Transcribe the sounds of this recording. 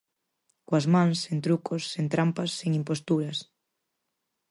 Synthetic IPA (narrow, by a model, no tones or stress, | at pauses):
koazmãŋsent̪ɾukʰosːent̪ɾampɐsːeŋimpost̪uɾɐs